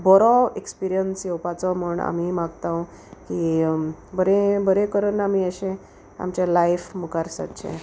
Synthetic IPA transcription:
bɔɾɔekspiɾijənsjewpat͡sɔmuɳa̰mimaɡt̪ãw | ki | bəɾebəɾekəɾənamiəɕẽ | a̰mt͡ɕalaifməkaɾsa̰t̪t͡ɕʰḛ̃

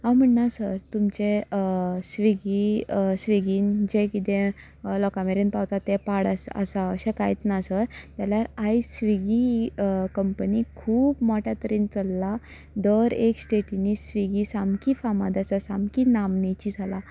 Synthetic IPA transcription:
ãwm̤əɳnasəɾt̪umt͡ɕe | sʋiɡisʋiɡiːnd͡ʑekit̪ẽ | lɔkameɾenpawt̪at̪ːepaɽasə̰saəɕẽkajt͡s̪nasəɾt̪jaljaɾajsʋiɡikəmpənikʰuːpmɔʈʰjat̪əɾiːnt͡səlːa | d̪əɾeksʈeʈinisʋiɡisamkifama̰d̪asasamkinamnet͡ɕid͡zʱala

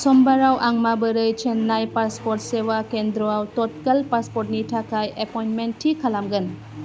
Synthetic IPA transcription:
sɔmbaɾawʔaŋmabəɾɯjt͡ʃʰenːajpaspɔɾt̚sewakend̪ɾɔawtɔt̚kəlpaspɔɾt̚nitʰakajʔepɔjntmentʰːikʰalamɡən

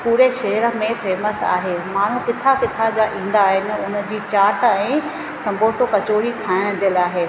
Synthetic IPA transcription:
puːɾeʃɐɦɾə̆mẽfeːməsa̰ːɦemaːɳ̤ũkɪt̪ʰakɪt̪ʰad͡ʑaʔĩːn̆d̪aːɦɪnɪ̆ʊnə̆d͡ʑiːt͡ɕaːʈɛ̃ː | sɐ̃mbʱoːsokɐt͡ɕoːɽikʰaːɪɽ̃d͡ʑəlaːɦeː

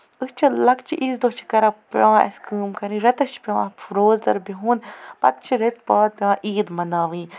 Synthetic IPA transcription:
ɨst͡ʃʰilɐkt͡ʃʰiʔiːzd̪ot͡ʃʰi̥kɐɾapɐãʔḛskɨːmkɐɾĩɾɐt̪ɐt͡ʃʰpʲeʋa̰pʰɾoːzd̪ɐɾbiɦuːnpɐ̰t̪̚t͡ʃʰiɾet̪̚paːd̪̚pʲeʋãːʔiːd̪mɐnaːʋĩː

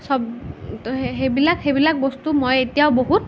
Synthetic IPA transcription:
sɔb | ɦebilakhebilak̚bɔst̪umojet̪ijaʊboɦut̪

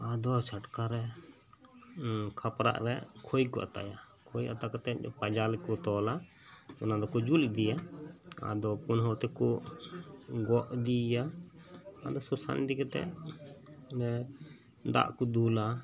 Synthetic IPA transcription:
ad̪ɔt͡ʃʰaʈkaɾɛ | kʰapɾa̰ʔɾɛkʰojkɔʔa̰t̪a̰ja | kʰojʔa̰t̪akɔt̪ɛɔpad͡ʒalɛkɔt̪ɔla | ɔnad̪ɔkɔd͡ʒuld̪ijaa̰d̪ɔpɔnɦɔt̪ɛkɔ | ɡɔʔd̪ija | ad̪ɔsɔsa̰nd̪ikɛt̪ɛ̰ | ɛ | d̪a̰ʔkɔd̪ula

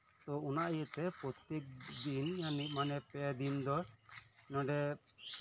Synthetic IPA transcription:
t̪ɔunaʔijɛt̪ɛpɾɔt̪jek̚d̪injaniʔ̚manɛpɛad̪ind̪ɔɾ | nɔ̃ɖɛ

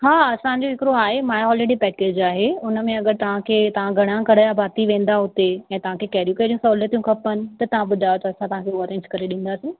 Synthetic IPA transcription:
ɦaːɐsãɲd͡ʑoɦɪkɪɾoaːɦemaːjɦɔːleːɽipɛːkeːd͡ʑaːɦeʊnə̆mẽɐɡəɾt̪ɐʋ̤ãkʰeːt̪ɐʋ̤ãɡʱɐɽ̃ãɡɐɽajabʱaːt̪iʋẽːn̆d̪aɦʊt̪eɛ̃ːt̪ɐʋ̤ãkʰekɛːɾjukeɾijũsɔːlət̪ijũkʰɐpənɪ̆t̪ɐt̪ɐʋ̤ãɓʊd̪ʱajot̪ɐɐsãt̪ɐʋ̤ãkʰeɔːɾẽːɲd͡ʑkɐɾeɗĩːn̆d̪aːsĩː

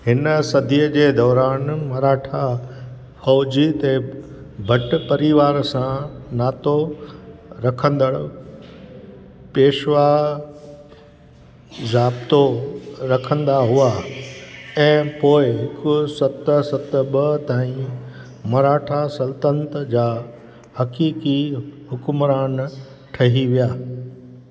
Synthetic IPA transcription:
hɪnəsɐd̪ʱijəd͡ʑeːd̪ɔːɾaːnmɐɾaːʈʰa | fɔːd͡ʑit̪e | bʱɐʈ̆pɐɾiʋaːɾsãnaːt̪o | ɾɐkʰə̃nd̪əɽ | peːʃʋa | zaːbt̪oɾɐkʰə̃nd̪aɦua | ɛ̃ːpoːɪɦɪkʊsɐt̪sɐt̪ɓɐt̪aːĩ | mɐɾaːʈʰasɐlt̪ə̃nt̪d͡ʑaː | hɐkiːkiɦʊkʊmɾaːn | ʈʰɐɦiʋijaː

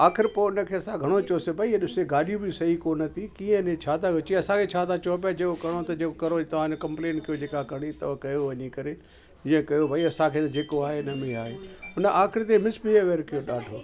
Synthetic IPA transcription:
aːkʰɪɾpoʊnəkʰeːɐsãɡʱɐɽ̃ot͡ʃoːsebʱɐiɗɪseɡaːɗijũbisɐɦikoːnət̪ʰikiːə̃nẽt͡ʃʰaːt̪ʰakʊt͡ʃiɐsãkʰet͡ʃʰaːt̪ʰat͡ʃɔːp̬jad͡ʑeːkokɐɽ̃ot̪ɐd͡ʒeːkokɐɾot̪ɐʋ̤ãnokɐ̃mplẽːɳkɐjod͡ʒeːkakɐɽ̃it̪ɐʋakɐjoʋɐɲikɐɾe | d͡ʑĩːə̃kɐjobʱaiɐsãkʰeːt̪ɐd͡ʒeːkoaːɦenɐmẽaːɦeːɦʊnəʔaːkʰɪɾt̪̬emɪsbieʋeːɾkɐjoɗaːɖʱoː

